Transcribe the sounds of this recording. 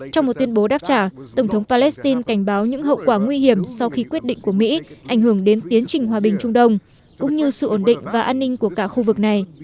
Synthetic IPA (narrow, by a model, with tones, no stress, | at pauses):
t͡ɕɔ˧wŋ͡mmo˨˩t̚t̪wənɓo˨˦ɗaː˦˥p̚t͡ɕaː˧˩t̪ə˧˩wŋ͡mt̪ʰwŋ͡mpaː˧lɛ˦˥st̪i˧nka˧˩jŋ̟ɓaː˨˦wɲɨ̰˧˥ŋɦə̰˧˨wkwaː˧˩ŋwi˧hi˧˩əmsɔ˧wxi˧kwi˦˥ət̚ɗḭ̈˧˨ŋ̟ku˧˩əmḭ˧˥ʔa˧˩jŋ̟hɨ˧˩əŋɗe˨˦nt̪i˨˦ənt͡ɕï˨˩ŋ̟ɦwaː˨˩ɓï˨˩ŋ̟t͡ɕʊ˧ŋ͡mɗə˧wŋ͡m | kʊ̰˧˥ŋ͡mɲɨ˧sɨ̰˧˨ʔo˧˩nɗḭ˧˨ŋ̟vaː˨˩ʔaː˧nːï˧ŋ̟ku˧˩əkaː˧˩xu˧vɨ˨˩k̚na˨˩j